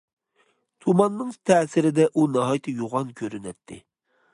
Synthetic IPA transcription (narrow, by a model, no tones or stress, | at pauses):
t̪ʰumɑnːɨŋt̪ʰɛːsɪɾɪd̪ɛʔunɑɦɑjt̪ʰɨjoʁɑnkʲʰøɾynɛt̪ʰːɪ